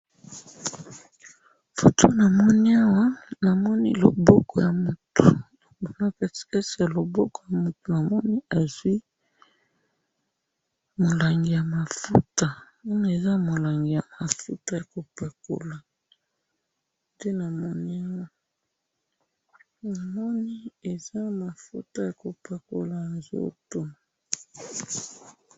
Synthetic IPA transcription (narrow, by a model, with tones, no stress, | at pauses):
fo˨tʰo˦na˨mɔ˦ni˦a˦wa˦na˨mɔ˦nḭ˦lo̰˨bɔ˦kʰɔ˨ja˨mo˨tu˨ | bo˨na˨pɛ˨si̥˨kɛ˦si˨ja˨lo˨bɔ˦kɔ˨ja˨mo˨tu˨na˨mɔ˦ni˦a˨zwi˦ | mo˨la˨ŋɡi˨ja˨ma˨fu˦ta˨ | a˦na˦e˨za˦mo˨la˨ŋɡi˨ja˨ma˨fu˦ta˦ja˨ko˨pa˨ko̰˨la˨ | de˦na˨mɔ˦ni˦a˦wa˦ | na˨mɔ˦ni˦e˨za˦ma˨fu˦ta˦ja˨ko˨pʰa˨ko̰˨la˨a˨zo̰˦˨to˦ma˨